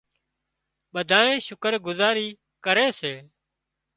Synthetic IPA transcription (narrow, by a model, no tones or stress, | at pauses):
ɓəd̪ʱaːẽːʃʊkəɾɡʊzaːɾiː | kəɾeːseː